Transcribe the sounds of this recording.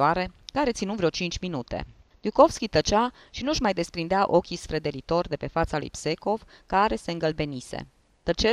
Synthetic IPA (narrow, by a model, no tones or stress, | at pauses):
aɾe̞kaɾe̞t̪sinuvɾeot͡ʃint͡ʃʲminut̪ḛd̪juko̞fskʲit̪ət͡ʃa | ʃinuʃmajd̪e̞spɾind̪eaʔo̞kʲisfɾe̞d̪e̞lit̪o̞rd̪e̞pe̞fat̪salṵjpse̞ko̞v | kaɾe̞se̞ɨŋɡəlbe̞nisḛ | t̪ət͡ʃe